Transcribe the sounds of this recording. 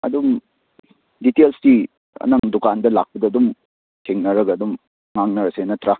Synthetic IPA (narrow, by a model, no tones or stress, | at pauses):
ɐ̰dum | ditelsdi | ɐ̰nɐŋdukandɐla̰k̚pɐdɐːdum | tʰeŋnɐɾɐɡɐːdum | ŋaŋnɐɾɐsenɐtɾa